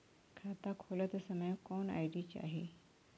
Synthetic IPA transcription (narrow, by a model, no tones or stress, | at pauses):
kʰat̪akʰolət̪əsəməjkɔna̰jɖit͡ɕa̰ɦe